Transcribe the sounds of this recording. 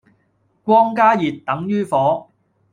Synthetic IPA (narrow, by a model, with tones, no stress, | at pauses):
kʷɔː˥ŋkaː˥jiː˨˩t̪̚t̪ːɐ˨˥ŋjyː˥fɔː˨˥